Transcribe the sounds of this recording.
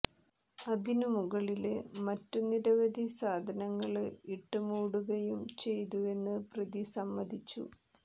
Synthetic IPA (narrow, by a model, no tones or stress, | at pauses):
ɐðinumuɣɐɭilmɐtːuniɾɐʋɐd̪ʱisaːd̪ʱɐnɐŋːɐɭɨiʈːɨmuːɽuɣɐjumt͡ɕe̞jt̪ue̞nːɨprɐðisɐmːɐd̪ʱit͡ɕːṵ